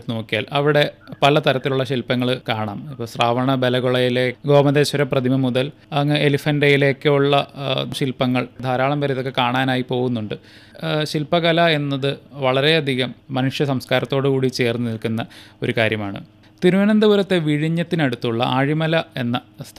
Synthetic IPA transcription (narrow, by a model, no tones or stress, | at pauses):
no̞ːkːijaːlɐʋiɽe̞pɐlɐt̪ɐɾɐt̪ːiluɭːɐɕilpɐŋːɐɭkaːɳa̰ːmpːɐːsraːʋɐɳɐbe̞lɐɣoɭɐjile̞ːɡo̞ːmɐðeːɕɐɾɐprɐd̪ʱimɐmuðɐl | ɐŋːeelifɐnɖɐjile̞ːkːɨuɭːɐɕilpːɐŋːɐɭd̪ʱaːɾaːɭɐmbɐɾɐiðo̞kːekaːɳaːnaːjipo̞ːɣunːuɳɖɨ | ɕilpːɐɣɐlɐe̞nːɐðɨʋɐɭɐɾe̞ɐd̪ʱiɣɐmːɐnuʂjɐsɐmskaːɾɐt̪ːo̞ːɽɨkuːɽit͡ɕe̞ːrnːɨnilkunːɐo̞̰ɾukaːɾjɐmaːɳɨ̰ | t̪iɾuʋɐnɐnd̪ɐʋɐɾɐt̪ːe̞ʋiɻiɲːɐt̪ːinɐɽut̪ːuɭːɐ̰ʔaːɻimɐlɐe̞nːɐst̪